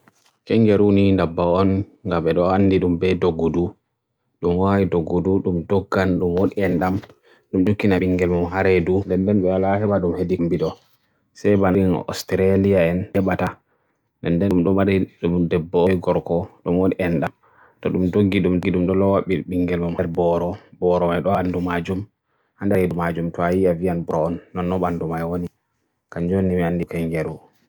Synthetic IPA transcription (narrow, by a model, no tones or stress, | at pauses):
kɛŋɡɛɾunindabːaɔn | ŋɡaɓɛɗɔanːdiɗumbɛdoɡːudu | ɗumwawidoɡːuduɗumdɔɡːanɗumwoɗiɛnɗam | ɗumd͡ʒukːinaɓiŋɡɛlmumɦaɾɛdundɛndɛnɓɛwalahɛbaɗumhedimbiɗɔ | sɛjbanin̰ʔɔ̰stɾalijaɛnɛɓata | ndɛndɛmɗɔmaɾiɗumdɛbːɔɔjɡɔɾkɔɗumwoniʔɛnɗam | tɔɗumdoɡːiɗumɡiɗumɗɔlɔwaɓːiɓiŋɡɛlmumhɛɾbɔɾɔbɔɾɔmajɗɔwandumad͡ʒum | handɛɾedumad͡ʒumtɔajiavijanbuɾɔɔnːɔnːɔɓandumajwoni | kaɲd͡ʒonːimianːdikɛŋɡɛɾu